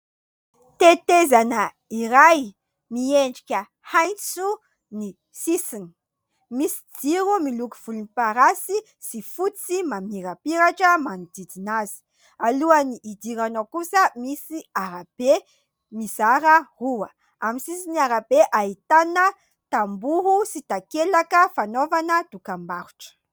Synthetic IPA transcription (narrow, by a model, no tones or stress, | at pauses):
t̪et̪ezanə | iɾaj | mieɳɖ͡ʐikʲə | hajnt͡su | ni | sisini̥ | misi̥d͡ziɾumilukuv̥ulunipaɾasi | sifut͡simamiɾapiɾaʈ͡ʂəmanid̪id̪inazi̥ | aluəniʔːd̪iɾanokusəmisiaɾab̥e | mizaɾəruə | amisisiniaɾabeʔait̪anə | t̪ambuɦusit̪akelakəfanovanəd̪ukambaɾu̥ʈ͡ʂə̥